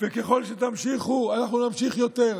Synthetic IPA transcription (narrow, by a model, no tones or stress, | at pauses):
veke̞χo̞lʃet̪amʃiχuanaχnunamʃiχjo̞t̪e̞ʁ